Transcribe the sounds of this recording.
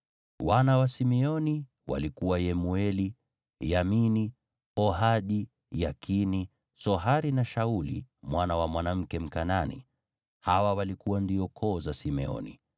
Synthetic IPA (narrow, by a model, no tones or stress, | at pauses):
wanawasimɛɔni | wa̰likuwajɛmuɛli | jamini | ɔɦaɗi | jakʰini | sɔɦaɾinaʃaulḭmwanawamwanam̩kɛm̩kananḭ | hawawalikuwandiɔkʰɔːzasimɛ̰ɔ̰nḭ